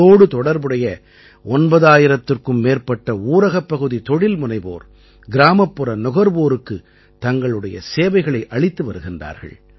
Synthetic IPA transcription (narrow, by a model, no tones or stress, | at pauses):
oːɽɯt̪ɔɽɐɾbɯɽɐjɐ | ɔnbɐðaːjɪɾɐt̪ːɯrkɯmːeːrpɐʈːɐuːɾɐɣɐpːɐɣɯðit̪ɔɽɪlmʊnɐɪbo̰ːɾ | ɡɪɾaːmɐpːɯɾɐnɔɣɐɾboːɾɯkːɯ | t̪ɐŋɡɐɭɯɽɐjɐ̰seːʋɐɪɣɐɭɐɪʔɐɭɪt̪ːɯʋɐɾɯɣɪndra̰ːɾɣɐ̰ɭ